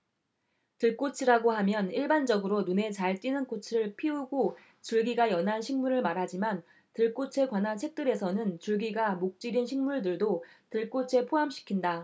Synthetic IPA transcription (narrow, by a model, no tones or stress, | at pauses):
tɯɭk͈ot͡ɕʰiɾaɡohamjʌniɭband͡ʑʌɡɯɾonune̞t͡ɕaɭt͈inɯnk͈ot͡ɕʰiɾɯɭpʰiuɡo | t͡ɕuɭɡiɡajʌnɦanɕʰiŋmuɾɯɭmaɾɦad͡ʑiman | tɯɭk͈ot͡ɕʰe̞kwanɦant͡ɕʰe̞k̚t͈ɯɾe̞sʰʌnɯnt͡ɕuɭɡiɡamok̚t͡ɕ͈iɾinɕʰiŋmuɭdɯɭdotɯɭk͈ot͡ɕʰe̞pʰoɦamɕʰi̥kʰinda